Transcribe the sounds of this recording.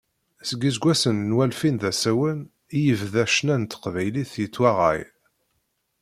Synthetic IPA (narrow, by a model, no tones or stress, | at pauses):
səɡizɡʷæsənːwælfinðæsæwən | jəvðæʃnænt̪ə̥qvæjliθjət͡sːwæʁæ̰j